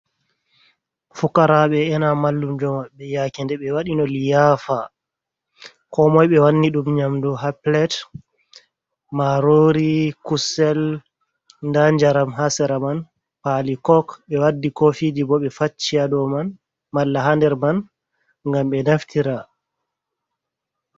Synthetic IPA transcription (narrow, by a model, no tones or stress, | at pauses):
fukaɾaɓɛɛnamalːumd͡ʒɔmaɓːɛjakindɛɓɛwaɗinɔlijaːfa | kɔmɔjɓɛwanːiɗumɲamduɦaplɛt | maɾoɾikusɛl | ndaɲd͡ʒaɾamɦasɛɾaman | palikɔkɓɛwadːikofid͡ʒibɔɓɛfat͡ʃːiadɔman | malːaɦandɛɾman | ŋɡamɓɛnaftʰiɾa